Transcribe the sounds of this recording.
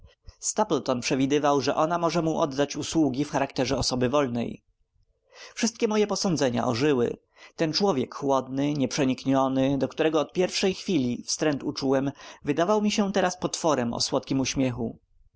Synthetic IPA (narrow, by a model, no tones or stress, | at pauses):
st̪aplt̪ɔnpʂɛvʲid̪ɘvawʐɛʔɔnamɔʐɛmuʔɔd̪ːat͡ɕuswuɡʲifxaɾakt̪ɛʐɛɔsɔbɘvɔlnɛ̰j | fʂɘst̪̚kʲɛmɔjɛpɔsɔnd̪zɛɲa̰ʔɔʐɘwɘ̰ | t̪ɛnt͡ʂwɔvʲjɛkxwɔd̪̚nɘɲɛpʂɛɲikɲɔnɘd̪ɔkt̪uɾɛɡɔːt̪pʲjɛɾfʂɛjxfʲilʲifst̪ɾɛnt̪ut͡ʂuwɛmvɘd̪avawmʲiɕɛt̪ɛɾaspɔt̪fɔɾɛmɔ̰swɔt̪̚kʲimuɕmʲjɛxu